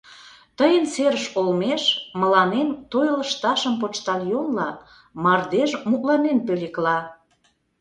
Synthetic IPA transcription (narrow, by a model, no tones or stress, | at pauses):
t̪əjənseɾəʃolmeʃməlɑnent̪ojələʃt̪ɑʃəmp̬ot͡ʃt̪ɑljonlɑ | mɑrd̪eʃmut̪lɑnenpøleklɑ